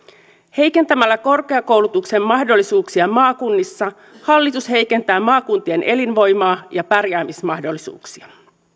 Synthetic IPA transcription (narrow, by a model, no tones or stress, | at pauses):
he̞jke̞nt̪æmælːæko̞rke̞ɑko̞wlut̪ukse̞mːɑhdo̞lːisuːksiɑmɑːkunːisːɑ | hɑlːit̪ushe̞jke̞nt̪æːmɑːkunt̪ie̞nʔe̞linʋo̞jmɑːjɑpærjæːmismɑhdo̞lːisṵːksiɑ